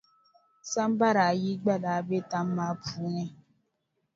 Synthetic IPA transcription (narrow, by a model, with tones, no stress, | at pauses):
sa˦m˦ba˦ɾa˨ji˦ɡ͡ba˦la˨˦be˦ta˦m̩˦ma˦pu˨˦ɲɛ˦